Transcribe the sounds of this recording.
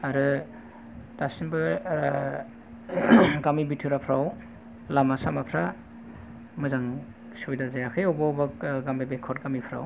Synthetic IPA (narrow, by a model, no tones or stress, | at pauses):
aɾɯ | tasinbɯ | ɡamibitʰɯɾapʰɾaw | lamasamapʰɾa | mɯzaŋ | subidazajakʰɯjɔbabaɡambebekʰɔt̚ɡamipʰɾa̰w